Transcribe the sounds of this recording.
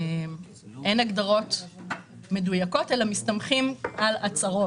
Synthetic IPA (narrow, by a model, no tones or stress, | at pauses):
m | ʔenaɡd̪aʁo̞t̪ | me̞dujako̞telamistamχimʔalat͡saʁo̞